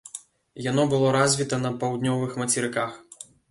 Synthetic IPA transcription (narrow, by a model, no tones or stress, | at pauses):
jan̪ɔbɨlˠɔɾazʲvʲit̪ɐnɐpɐwd̪nʲɔvɨxmɐt͡sʲiɾɨkax